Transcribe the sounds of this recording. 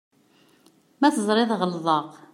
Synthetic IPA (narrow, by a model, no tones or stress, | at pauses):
mæθəzˤɾˤɪðˤʁəlðˤəq